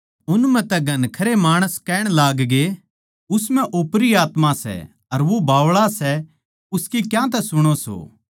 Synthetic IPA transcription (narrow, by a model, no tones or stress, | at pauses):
ʊnmɛ̃t̪ɛɡʱɐnkʰɐɾemaːɽ̃əskɛːɽ̃laːɡɡe | ʊsmɛ̃ʔopɾiaːt̪mãsɛ̰ | ɐɾʋobʱaːʋɭasɛ | ʊskikjãt̪̬ɛsʊɽ̃oso̰ː